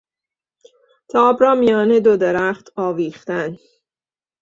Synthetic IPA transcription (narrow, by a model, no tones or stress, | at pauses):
t̪ʰɒːbɾɒːmijɒːned̪od̪eɾæχt̪ʰɒːviːxt̪æn